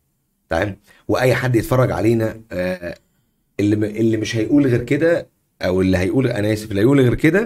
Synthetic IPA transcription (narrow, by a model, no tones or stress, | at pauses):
t̪ɑʕeːm | weʔæjːħad̪ːjet̪fɑrˤːɑɡʕa̰leːnæ | elːiʔelːimeʃhæjʔuːlɣeːɾked̪æ | ʔæwelːiɦæjʔuːlʔænæsifilːæjʔuːlɣeːɾked̪æ